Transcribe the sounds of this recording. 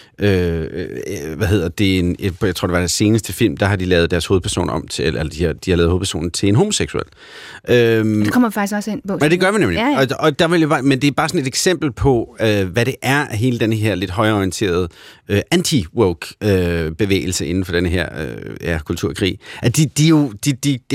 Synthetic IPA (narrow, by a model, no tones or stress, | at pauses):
ø | ʋæɦe̝ð̞̰ˠɐd̥e̝enjaɪt͡sʰʁo̰d̥eʋɑd̥æse̝ːnəsd̥əfil̰md̥ɑ̈ɦɑ̈d̥ilɛːð̞̩ˠd̥æɐsho̝ːð̞ˠpʰɐso̝̰ːnɒ̽mt͡sʰʔelɐd̥id̥ihɑɛːð̩ˠho̝ðˠpʰæɐso̝̰ːn̩t͡sʰe̝lenɦo̝mo̝seɡ̥suḛl̰ | ʔø̥ekɒmɐifaɡ̥isɡ̥ɒsenpɔæd̥e̝ɡ̥ɶɐmnemliɒɒ̽d̥ɑ̈ʋeljobɑmend̥e̝æɐb̥ɑ̈ːsɒ̽ne̝d̥eɡ̥sem̰b̥l̩pʰɒ̽øʋæɾe̝ʔæɐɦe̝ːləd̥enəɦeɐle̝d̥ɦɒ̽ɪɐɒient͡sʰe̝̰ːɐð̞ˠøʔænt͡sʰiwøɡ̥øb̥e̝ʋḛːɪl̩səʔe̝n̩fɒ̽ɾenəɦeɐ̰ø̰jækʰult͡sʰuɐ̰kʰʁḭːʔæd̥id̥ijo̝d̥id̥i̥